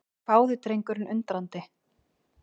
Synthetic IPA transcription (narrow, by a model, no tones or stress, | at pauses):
paːwðɪt̪ɾejŋkʏɾɪnʔʏ̰nt̪ɾant̪ɪ